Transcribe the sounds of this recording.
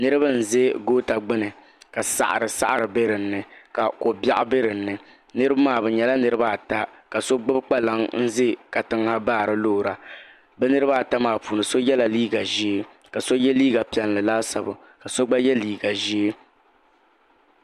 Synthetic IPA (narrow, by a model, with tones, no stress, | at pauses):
nɨ˦ɾɨ˦ba˦n̩˨ze˦ɡoː˦ta˨ɡ͡bɪ˦nɨ˨ | ka˨sa̰˨ʔa̰˨ɾɨ˨sa̰˦ʔa˨ɾɨ˨be˦ɾɨ˨n̩ːɨ˨ka˨ko˨bja˦ʔʊ˦be˦ɾɨ˨n̩ːɨ˨ | nɨ˦ɾɨ˦ba˦maː˦˨bɨ˨ɲɛ˨la˦nɨ˦ɾɨ˦ba˦˨ta˦ka˨so˦ɡ͡bɨ˦bk͡pa˦la˦ŋn̩˦zɪ˦ka˨tɨ˨ŋha˦baː˦˨ɾɨ˨lo˦˨ɾa˨ | bɛ˦nɨ˦ɾɨ˦ba˦˨ta˦maː˦˨puː˨nɨ˨so˦jɛ˦la˨liː˦ɡa˨ʒi˦e˦ | ka˨so˦jɛ˦liː˦ɡa˨pi˨ɛ˨nlɨ˨laː˦sa˨bɨ˨ | ka˨so˦ɡ͡ba˦jɛ˦liː˦ɡa˨ʒi˦e˦